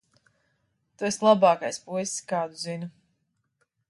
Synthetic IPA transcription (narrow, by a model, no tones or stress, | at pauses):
t̪uɛslˠabaːkajspuisskaːd̪uzinu